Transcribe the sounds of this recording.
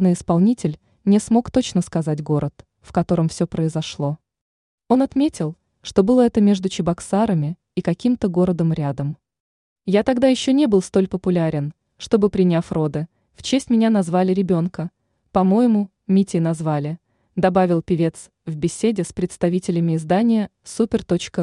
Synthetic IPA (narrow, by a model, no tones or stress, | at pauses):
nɨjɪspɐlˠnʲitʲɪlʲ | nʲɪsmo̞kt̪o̞t͡ɕnəskɐzat̚ʲɡo̞ɾʔət̪ | fkɐt̪o̞ɾəmfsʲɵpɾəɪzɐʂlˠo̞ | o̞nɐt̪mʲetʲɪlˠ | ʂt̪o̞bɨlˠəɛt̪əmʲe̞ʐd̪ʊt͡ɕɪbɐksaɾəmʲɪ | ikɐkʲimt̪əɡo̞ɾəd̪əmɾʲad̪əm | jat̪ɐɡd̪ajɪɕːonʲebɨlˠst̪o̞lʲpəpʊlʲaɾʲɪn | ʂt̪o̞bɨpɾʲɪnʲafro̞d̪ɨ | ft͡ɕesʲtʲmʲɪnʲanɐzvalʲɪɾʲɪbʲo̞nkə | pɐmo̞jɪmʊ | mʲitʲɪjnɐzvalʲɪ | d̪ɐbavʲɪlˠpʲɪvʲe̞t̪s | vbʲɪsʲedʲɪspɾʲɪt̪st̪ɐvʲitʲɪlʲɪmʲɪɪzd̪anʲɪjəsupʲɪrt̪o̞t͡ɕkə